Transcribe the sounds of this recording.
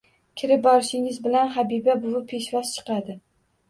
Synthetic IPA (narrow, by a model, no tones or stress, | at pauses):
kʲʰɪɾɪp̚bɒɾɪʃɪŋɪzbɪlanχabibabʊwʊpʰe̞ʃvɒzt͡ʃʰɨ̥qɑd̪ɪ